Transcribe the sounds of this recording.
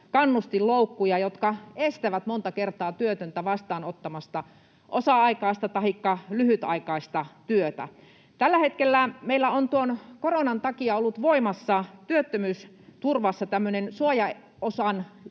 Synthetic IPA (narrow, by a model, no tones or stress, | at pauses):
kɑnːust̪illoukːujɑjot̪kɑest̪æʋæt̪mont̪ɑkert̪ˑɑːt̪yøt̪ønt̪æʋɑst̪ɑːnot̪ːɑmɑst̪ɑ | ʔosɑɑikɑˑist̪ɑt̪ɑhikːɑlyhyt̪ɑ̰ikɑist̪ɑt̪yøt̪æ̰ | t̪ælːæhet̪kelːæmeilːæont̪uonkoronɑnt̪ɑkiɑolːut̪ʋoimɑsːɑt̪yøt̪ːømyːs | t̪urʋɑsːɑt̪æmːønensuojɑ | osɑn